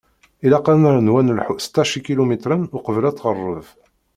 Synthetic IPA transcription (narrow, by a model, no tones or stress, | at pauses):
ilɑqɑnəɾnwænlħust̪ːæʃikilumit̪ɾənʊqəvəlæt͡sˤːʁərˤːəv